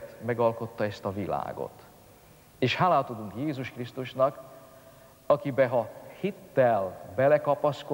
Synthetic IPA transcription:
t̪mɛɡɒlko̞t̪ːɒɛst̪ɒvila̰ːɡo̰t̪ | eːʃhaːlaːt̪od̪uŋkjeːzuʃkrist̪uʃnɒk | ɒkibɛɦɒhit̪ːɛlbɛlɛkɒpɒsko

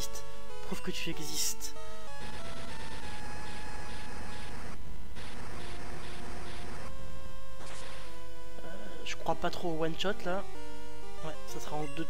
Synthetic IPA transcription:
st̪ | pχuvkət̪yɛɡzist̪ | ø | ʒ̥əkχwapat̪χowɛnt͡ʃɔt̪la | wɛsasəχaɑ̃d̪ø

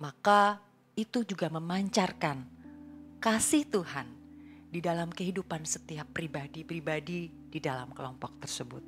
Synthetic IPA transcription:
maka | it̪ud͡ʒuɡaməmaɲt͡ʃarkan | kasɪht̪uɦandidalamkəɦidupansət̪iapːɾibadipɾibadi | d̥idalamkəlɔmpɔk̚t̪ərsəbʊt̪̚

